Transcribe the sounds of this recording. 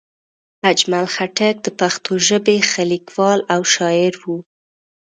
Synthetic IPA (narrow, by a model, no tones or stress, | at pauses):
ad͡ʒmalxaʈak̚d̪əpaxt̪ʰoʒəbexalikwɑlawʃɑjɪɾwu